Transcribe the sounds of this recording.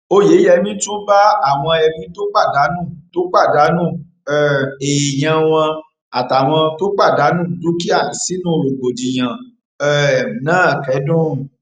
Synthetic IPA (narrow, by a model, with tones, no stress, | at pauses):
o˧je˨˦jɛ˧mĩ˦to˦ba˦a˦˨w̃ɔ̃˧ɛ˧mĩ˧˦to˦k͡pa˦˨da˨˦nũ˦˨to˦k͡pa˦˨da˨˦nũ˦˨ | ɛ˨e˨j̃ã˧w̃ɔ̃˧ | a˨ta˨w̃ɔ̃˧to˦k͡pa˦˨da˨˦nũ˦˨du˨˦ki˦a˦˨si˦nũ˦ɾo˨ɡ͡bo˨di˨j̃ã˨ | ɛ˨nãː˦˨kɛ˨˦dũ˦˨